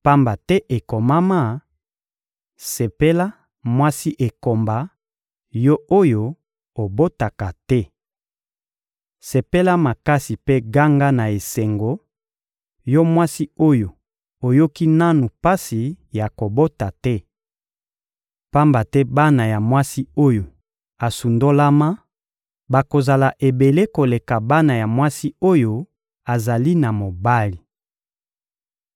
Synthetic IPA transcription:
pa˦mba˨tɛ˦ʔe˨ko˨ma˦ma˦˨ | se˨pe˦la˦ | mwa˦si˦ʔe˨ko˨mba˨ | jɔ˦o˦jo˨ | o˨bo˦ta˨ka˨tɛ˦ | se˨pe˦la˦ma˨ka˦si˨pe˦ɡa˦ŋɡa˦na˨e˨se˨ŋɡo˨ | jɔ˦mwa˦si˦o˦jo˨ | o˨jo˦ki˦na˦nu˨pa˦si˨ | ja˨ko˨bo˦ta˨tɛ˦ | pa˦mba˨tɛ˦ba˦na˨ja˨mwa˦si˦o˦jo˨ | a˨su˨ndo˦la˦ma˦ | ba˨ko˨za˨la˨ʔe˨be˨le˦ko˨le˨ka˨ba˦na˨ja˨mwa˦si˦o˦jo˦ | a˨za˨li˦na˨mo˨ba˦li˨

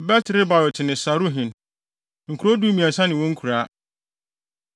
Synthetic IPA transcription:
bɛ˦tʰɪ˨ɾɪ˦ba˨jɔ˨tʰɪ˨nɪ̃˨sa˨ɾu˦ɦɪ̃˨n | ŋ̩˨kʰu˨ɾo˦du˦mĩ˨a˨sã˦nɪ̃˨wɔ̃˦ŋ̩˦kʰu˨ɾa˦

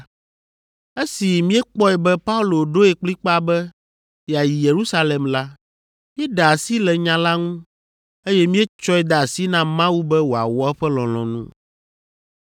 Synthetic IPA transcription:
e˦si˨mĩ˦ɛ˦k͡pɔ˦ɛ˨bɛ˦pa˦u˦lo˨ɖo˦ɛ˨k͡pli˦k͡pa˦˨bɛ˦ | jɛ˨a˨ji˨je˨ɾu˦sa˦le˨mla˦ | m˦ɛ˦ɖa˨a˨si˦lɛ˨ɲã˨la˦ŋũ˦ | e˦jɛ˦mĩ˦e˦t͡ʃɔ˦ɛ˦d̪a˨a˨si˦nã˦mã˦wu˦bɛ˦wo˨a̰˨wɔ˦ɛ˦ɸɛ˦lɔ̃˨l̃ɔ̰̃˨nṵ̃˦

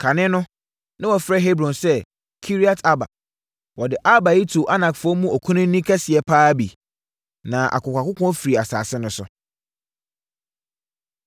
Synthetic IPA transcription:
kʰa˨nɪ̃˦nʊ̃˦ | nã˦wɔ˨fɾɛ˦ɦe˦bɾɔ̃˨nsɛ˦ | kʰi˦ɾi˦a˦tʰa˦ba̰˨ | wɔ˨dɪ˨ʔa˦ba˨ji˦tʰu˨ʔa˦nã˨kfʊ˦ɔ˦mũ˦ɔ˨kʰũ˦nʊ̃˦n˦nĩ˦kʰɛ˦sɪ˨ɛ˨pʰaː˦bḭ˨ | nã˨ʔa̰˨kʊ˨kʷa˨kʊ˦kʰɔ̃˦fɾi˨a˨sa̰ː˨sɪ˦nʊ̃˨sʊ̰˨

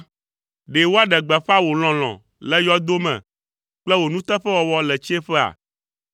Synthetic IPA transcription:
ɖe˨wo˦a˦ɖɛ˨ɡ͡bɛ˨ɸa˦wo˨l̃ɔ̃˨l̃ɔ̰̃˨ | lɛ˦jɔ˦d̪o˦mɛ̰̃˨ | k͡plɛ˦wo˨nũ˦t̪ɛ˦ɸɛ˦wɔ˨wɔ˦lɛ˨t͡ɕi˦e˦ɸɛ˦a̰˨

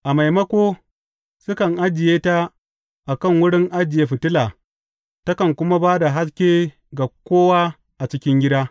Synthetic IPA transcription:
ʔa˨ma˨jmɐ˦kʷoː˦ | sʊ˦kɐ˨ŋʔa˦d͡ʒɪ˨jeː˦ta˦ | ʔa˨kɐ˦˨ŋwʊ˦ɽɪ˦ŋʔa˦d͡ʒɪ˨jeː˦ɸɪ˨tɪ˦laː˨ | tɐ˦kɐ˨ŋkʷʊ˦ma˦baː˦da˨ɦa˦skʲeː˦ | ɡa˨kʷoː˦waː˦ | ʔa˨t͡ʃɪ˦kʲɪ˦ŋɡʲɪ˦daː˦

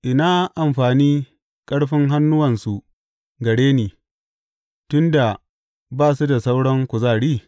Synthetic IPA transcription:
ʔɪ˨na˦ʔa˨mɸaː˨niː˦ | kʼɐ˦ɽɸɪ˦ŋɦa˦nːʊ˦wɐ˨nsu˨ | ɡɐ˨ɽeː˦niː˨ | tʊ˦nda˨ | baː˦˨su˦da˨sa˦wɽɐ˦ŋkʷʊ˨zaː˦˨ɽiː˦˨

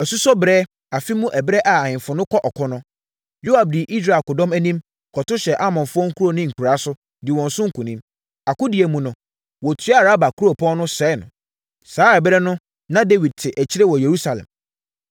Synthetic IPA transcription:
ɛ˨su˦sɔ˦bɾɛː˦ | a˨fi˦mũ˦ʔɛ˨bɾɛ˦ʔa˨a˨ɲɪ̃˨ɱfʊ˨nʊ̃˦kʰɔ˦ʔɔ˨kʰɔ˦nʊ̃˦ | jo˦a˨b̚di˨ʔi˦s̬ɾa˨kʊ˨dɔ̃˦mæ˦nĩ˦m | kʰɔ˨tʊ˦ɕɛ˨ʔa˦mɔ̃˨nfʊ˦ɔ˦ŋ̩˦kʰu˦o˨nɪ̃˦ŋ̩˨kʰu˨ɾa˨˦sʊ˦ | dɪ˨wɔ̃˨n˨sʊ̃˦ŋ̩˦kũ˨nĩ˦m | a˨kʊ˦di˨e˨mũ˨nʊ̃˨ | wɔ˨tʰɥa˦˨ɾa˦ba˨kʰu˦ɾo˨pʰɔ̃˦nʊ̃˦sɛː˨˦˨nʊ̰̃˨ | saː˨˦ɛ˨bɾɛ˦nʊ̃˦ | nã˦de˦wi˨d̚tʰɪ˨ʔæ˨t͡ɕʰi˦ɾɛ˦wɔ˨je˨ɾu˦sa˨lɛ̰̃˨m

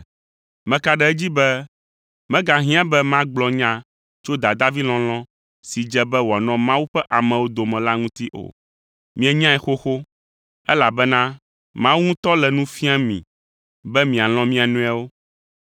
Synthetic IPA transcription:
mɛ̃˨ka˨ɖɛ˦ɛ˦d͡ʑi˦bɛ˦ | mɛ̃˦ɡa˨ɦĩ˦ã˦bɛ˦mã˦ɡ͡blɔ˨ɲã˦ | t͡ʃo˦d̪a˨d̪a˦vi˦lɔ̃˨l̃ɔ̃˦ | si˨d͡ʒɛ˦bɛ˦wo˨a˨nɔ̃˦mã˦wu˦ɸɛ˦ʔa˨mɛ̃˨wo˦d̪o˨mɛ̃˨la˦ŋũ˦t̪i˦ʔo̰˨ | mĩ˨ɛ˨ɲã˦ɛ˨xo˦xo˦ | ɛ˦la˨bɛ˦nã˦ | mã˦wu˦ŋũ˦t̪ɔ˦lɛ˨nũ˦fi˦a˦mḭ̃˨ | bɛ˦mĩ˨a˨l̃ɔ̃˦mĩ˦a˨nũ˦a˦wo˦

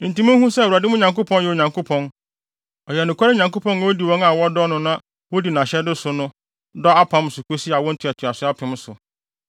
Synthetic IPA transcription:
n̩˨tĩ˦mã˦hũ˦sɛ˦˨u˨a˨dɪ˦mʊ̃˦ɲã˨ŋko˦pʰɔ̃˦njɛ˨ɲã˨ŋkʰo˦pʰɔ̃˦n | ɔ˨jɛ˨nʊ̃˨kʰʷa˦ɾɲã˨ŋko˦pʰɔ̃˦ñ˦wo˦di˨wɔ̃˦ŋa˨wɔ˦dɔ˦nʊ̃˦nã˦ | wo˦di˨nã˨ɕɛ˦dɪ˦sʊ˨nʊ̃˦ | dɔ˦a˦pʰã˨˦m˨˦sʊ˨kʰo˦si˦a˨wɔ̃˦n̩˦tʰʊ˨ɛ˨tʰʊ˨a˨sʊ˦a˦pʰɪ̃˨m˦sʊ˨

